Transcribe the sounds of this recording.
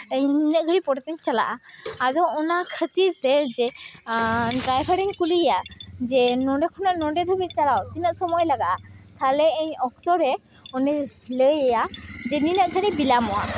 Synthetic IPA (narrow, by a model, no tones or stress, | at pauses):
əɲninəʔɡʱəɽipɔɽɛt̪ɛɲt͡ʃala̰ʔaːd̪ɔɔnakʰət̪iɾt̪ɛd͡ʒɛ | ɖɾajbʰʱaɽiɲkuliɛjad͡ʒɛnɔɖɛkʰɔnaʔnɔɳɖɛd̪ʱubit̪̚t͡ʃalawt̪inəʔsɔmɔjlaɡaʔat̪alɛəɲɔkt̪ɔɾɛ | ɔnɛləjɛjad͡ʒɛninəʔɡʱəɽibilamɔa̰